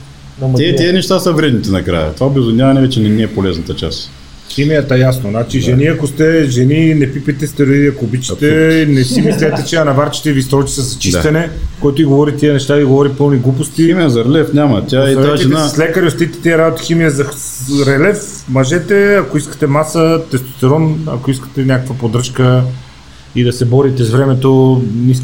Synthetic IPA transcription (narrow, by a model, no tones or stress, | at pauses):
ɛiɛnɛʃt̪asəvɾʲɛd̪nit̪ɛnɐkɾa̰jə̰t̪vabɛzonʲamɐnɛvɛt͡ʃɛnɛniɛpolɛznɐt̪ət͡ʃa̰s | ximijət̪əjasnonat͡ʃiʒɛniɐkost̪ɛʒɛninɛpipɛt̪ɛst̪ɛɾoiɐkoːbit͡ʃi̥t̪ɛnɛsimislʲɛt̪ɛt͡ʃɛɐnɐvaɾt͡ʃi̥t̪ɛivist̪ɾɔt͡ʃi̥sɛzɐt͡ʃist̪ɐnɛkoɛt̪ʊiɡovɔɾit̪iənɛʃt̪aiɡovɔɾipɤlˠniɡlˠupost̪imiəzɐɾɛlɛfnʲamɐ̰t̪ʲaɐɛaʒɛsaslɛkəɾiost̪it̪ɛ̥t̪iɐɾabot̪i̥ximijəzɐ | ɾɛlɛfmɐʒɛt̪ɛɐkoiskə̥t̪ɛmasət̪ɛst̪o̥t̪ɛɾɔnɐ̰koiskə̥t̪ɛnʲakəkvɐpod̪ɾɤʃkə | id̪ɐsɛbɔɾit̪ɛzvɾɛmɛt̪onisk